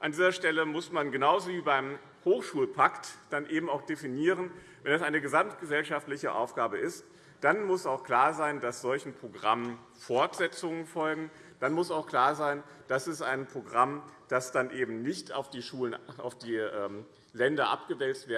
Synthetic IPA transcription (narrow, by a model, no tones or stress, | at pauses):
ʔandiːzɐʃtɛləmʊsmanɡənaʊzoviːbaɪm | hoːxʃuːlpʰaktd̥anʔeːbm̩aʊxd̥efiniːʁən | vɛndasʔaɪnəɡəzamtɡ̥əzɛlʃaftlɪçəʔa̰ʊfɡ̥aːbəʔɪst | d̥anmʊsaʊxkl̥aːɐzaɪndasz̥ɔlçn̩pʁ̥oɡʁamən | fɔɐtz̥ɛt͡sʊŋənfɔlɡŋ̩d̥anmʊsaʊxkl̥aːɐzaɪnd̥asɛstaɪnpʁ̥oɡʁamd̥asd̥anʔeːbm̩nɪçtʰa̰ʊfd̥iːʃuːlənʔa̰ʊfd̥iːʔɛːm | lɛndɐʔa̰p̚ɡ̥əvɛlstv̥eːɐ